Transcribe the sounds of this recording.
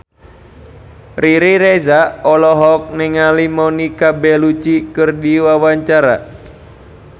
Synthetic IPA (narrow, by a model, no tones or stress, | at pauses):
riɾiɾezaɔlɔɦɔk̚nɪŋalimonikabɛlut͡ʃikərdiwawaɲt͡ʃaɾa̰